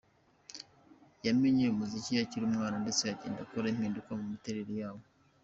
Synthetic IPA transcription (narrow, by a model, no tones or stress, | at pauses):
jameɲejumuzicijaciɾumŋaːnandesejaɟḛːndakoɾemhiːndukwamumiteɾeɾijaːwo